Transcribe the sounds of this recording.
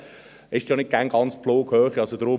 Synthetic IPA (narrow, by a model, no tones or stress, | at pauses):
ɪʃdjɔnɪt̚ɡ̥æŋɡɑnt͡sploːɡhøːχiɑsod̥ɾʊ